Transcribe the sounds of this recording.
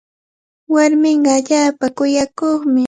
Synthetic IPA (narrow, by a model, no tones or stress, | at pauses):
waɾmɪɴɢɑaʎaːpakʊjakoχmɪ